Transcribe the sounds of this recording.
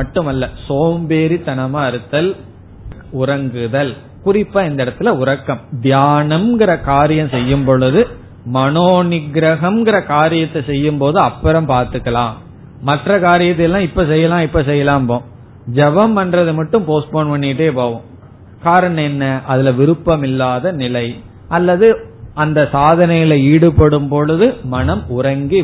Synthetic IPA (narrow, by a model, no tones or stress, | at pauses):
ɐʈːɯmɐlːɐsoːmbeːɾit̪ɐɳɐmaɐɾɯt̪ːɐl | ʊɾɐŋɡɯðɐl | kʊrɪpːaːɪnd̪ɐɛɽɐt̪ːɯlɐʊɾɐkːɐmd̪jaːnɐmɡɪɾɐkaːɾɪjɐ̃msɛjːɯmpɔɭɯðɯ | mɐnoːnɪɡɾɐɣɐmɡɪɾɐkaːɾɪjɐt̪ːɐsɛjːɯmpoːðɯɐpːɐɾɐmpaːɾt̪ɯkːɐlã̰ːm | mɐʈrɐkaːɾɪjɐt̪̬ːɪɛlːãːɪpːɐsɛjːɐlãːɪpːɐsɛjːɐlaːmpõː | d͡ʒɛʋɐmʋɐnrɐðɯmɐʈːɯmpoːspoːɳʋɐɳːiʈːeːpoːʋɯ̃m | kaːɾɐɳɐ̃ɛnːɐʔɐðɪlɐʋɪɾɯpːɐmɪlːaːðɐnɪlɐɪ | ʔɐlːɐðɯɐnd̪ɐsaːðɐnɐjɪlɐiːɽɯpɐɽɯmpɔɭɯðɯmɐɳɐmʊɾɐŋɡi